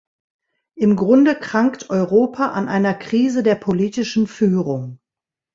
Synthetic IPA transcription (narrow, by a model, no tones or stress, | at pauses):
ʔɪmɡʁʊndəkʁ̥aŋktʰʔɔʏʁoːpʰaʔanʔaɪnɐkʁ̥iːzədeːɐpʰoliːtɪʃn̩fyːʁʊŋ